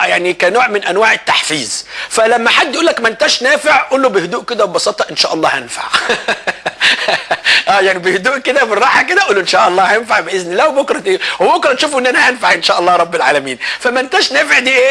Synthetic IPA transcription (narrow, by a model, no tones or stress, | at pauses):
jaʕnikænoːʕmɪnʔænwaːʕɪt̪ːaħfiːzfælæmːæħad̪ːjʔuːlːækmænt̪æʃnæːfeʕʔuːlːobɪhd̪uːʔked̪æbebɑsɑːt̪ˤɑʔenʃæːʔɑlˤːɑːhænfa̰ʕ | ʔæːjaʕnibɪhd̪uːʔked̪æbɪrˤːɑːħaked̪æʔuːlːoʔenʃæːʔɑlˤːɑːhænfaʕbeʔɪznilæwbʊkɾˤɑewbokɾˤɑnʃuːfʔɪnːʔænæhænfaʕʔenʃæːʔɑlˤːɑːɾˤɑbːɪlʕa̰ːlæmiːnfæmænt̪æʃnæːfeʕd̪iːʔeː